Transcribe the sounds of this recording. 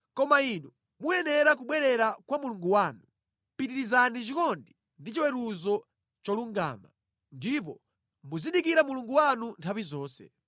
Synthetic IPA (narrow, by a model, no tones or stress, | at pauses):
kɔmainu | mujɛnɛɾak̬uɓwɛɾɛɾakwamuluŋɡuwaːnu | pitiɾizanit͡ʃikɔndi | ndit͡ʃiwɛɾuzɔ | t͡ʃɔluŋɡa̰ːma | ndip̬ɔ | muziɗikiɾamuluŋɡuwanuntʰawizɔːsɛ̰